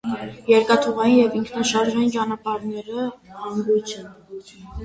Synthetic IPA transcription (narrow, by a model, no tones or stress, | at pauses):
jɛɾkɑt̪ʰuʁɑjinjɛviŋkʰnɑʃɑɾʒɑjint͡ʃɑnɑpɑɾnɛɾəhɑŋɡut͡sʰjun